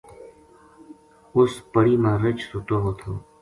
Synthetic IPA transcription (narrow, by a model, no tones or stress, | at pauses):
ʊspəɽiːmãːɾət͡ʃsʊʈ̪oːɦoːt̪ʰoː